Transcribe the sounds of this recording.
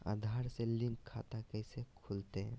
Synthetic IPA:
a̰d̪ʱaɾselɪ̃ŋkʰːa̰t̪akɛɪsekʰult̪eɦ

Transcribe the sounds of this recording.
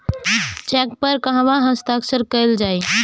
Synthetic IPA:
t͡ʃɛk̚pəɾkəɦaʋãɦəst̪aksəɾkəjld͡ʒaj

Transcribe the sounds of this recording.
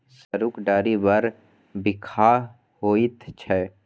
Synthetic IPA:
səɾuːkɖaːɾibəɾ | bɪkʰa | hoːit̪ʰt͡ʃʰɛː

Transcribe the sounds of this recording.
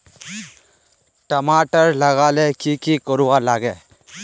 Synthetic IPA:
ʈəmaʈəɾləɣalɛkikikɔɾuwalaɡɛ

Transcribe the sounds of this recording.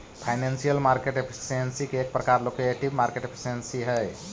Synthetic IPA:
pʰajnensijəlmaɾkeʈepʰi̥siensikeːk̚pɾəkaɾlokeeʈibmaɾkeʈepʰi̥sensiɦəj

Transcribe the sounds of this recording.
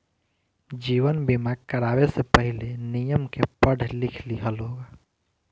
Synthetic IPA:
d͡ʒiːʋənbɪmaɡkəɾaːwesepəɦɪlenijəmkepəɽ̤ʱlɪkʰliɦəloːɡa

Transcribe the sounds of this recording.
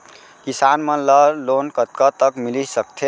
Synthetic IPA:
kisanmẽləlonkət̪̚kət̪əkmilisək̚t̪ʰe

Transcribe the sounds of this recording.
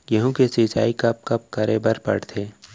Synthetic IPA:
jɐɦũkesit͡ʃa̰ːikɐp̚kɐp̚kɐɾʔebəɾpɐ̰ɽt̪ʰeː

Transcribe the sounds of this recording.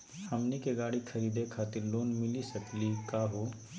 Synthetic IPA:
hɐmnikeɡaːɽikʰɐɾiːd̪ekʰaːt̪ɪɾloːnmɪlisɐklikaːɦoː

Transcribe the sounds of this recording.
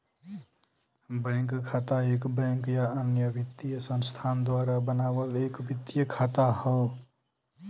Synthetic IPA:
bə̃ŋkkʰat̪aekbə̃ŋkjaənjəbɪt̪ːijəsə̃nst̪ʰaːnd̪waɾabənaːwəlekbɪt̪ijəkʰat̪ahə

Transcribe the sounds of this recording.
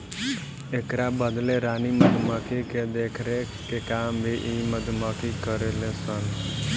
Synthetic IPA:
ekɾabəd̪leɾaːniməd̪məkʰiked̪eːkʰɾe | kekaːmbʱiʔiməd̪məkikəɾelẽsən

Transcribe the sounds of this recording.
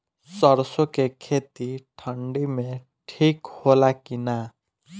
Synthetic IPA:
sʌɾsokekʰet̪iʈʰʌɳɖime | ʈʰikholakina

